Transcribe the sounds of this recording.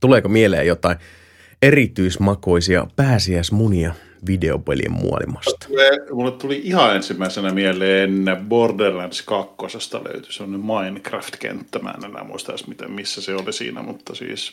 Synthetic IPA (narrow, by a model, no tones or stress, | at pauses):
t̪uleːkomielḛːjot̪ɑin | erit̪yismɑkoisiɑ̰pæːsiæismuniɑ | ʋideopḛlḭḛmmṵɑ̰lḭmɑst̪ɑ̥uleːmulːet̪t̪uliihɑensimːæisenæmielˑeːenːeborderlænskɑkːosest̪ɑ̰lø̰yt̪y̥semːonemmɑinkræft̪kḛnt̪ːæmæ̰ːnemæ̰ːmuist̪ɑsmit̪ḛmmisːæseolisḭːnæ̰mut̪ːɑsḭːs